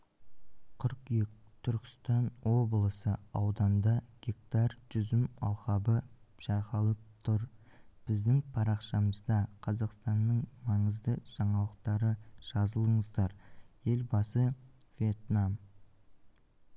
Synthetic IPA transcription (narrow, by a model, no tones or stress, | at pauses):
qʰʏɾqet̪ʰʏɾkʲɪ̥st̪ɑnwo̞blˠəsəɑwd̪ɑnd̪ɑɡ̥ʲek̚t̪ɑrʒ̥ʏzɪmɑ̰lˠqɑbəʒ̥ɑʁɑlˠəp̚t̪ʰʊɾb̥ɪzd̪ɪŋpʰɑɾɑqʃɑməzd̪ɑqʰɑzɑqst̪ɑnːəɴmɑɴəzd̪əʒ̥ɑɴɑlˠəq̚t̪ɑɾəʒ̥ɑzəlˠəɴəzd̪ɑɾje̞lbɑsə | v̥ʲe̞t̪nam